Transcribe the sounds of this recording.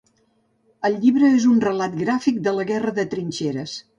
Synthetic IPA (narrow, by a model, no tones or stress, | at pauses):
əlˠʎiβɾəezunrəlat̪̚ɡɾafik̚d̪ələɣɛrəðət̪ɾinʲt͡ʃeɾəs